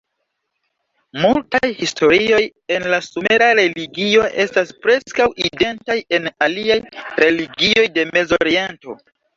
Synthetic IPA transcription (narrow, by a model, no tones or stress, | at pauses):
multajhisto̞ɾio̞je̞nlasume̞ɾaɾe̞liɡio̞ʔe̞staspɾe̞skawʔide̞ntaje̞naliajɾe̞liɡio̞jde̞me̞zoɾie̞nto̞̰